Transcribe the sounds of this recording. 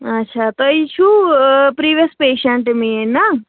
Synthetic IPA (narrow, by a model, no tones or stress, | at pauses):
ɐtːʃʰat̪oit͡ʃʰupɾiːʋijəspeːʃɐɳʈmiena